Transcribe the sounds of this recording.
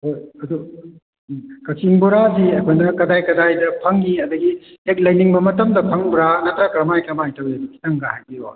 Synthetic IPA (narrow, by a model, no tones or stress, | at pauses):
ɐd̪u | kɐsiŋbuɾaziɐkʰojnɐkɐdajkɐdajdɐpʰɐŋɡiɐd̪ɐɡiek̚lɐjniŋbɐmɐtɐmdɐmpʰɐŋbuɾanɐtɾakɾɐmajkɐmajtʰɐwdikʰi̥tɐŋɡahajbiɾo̰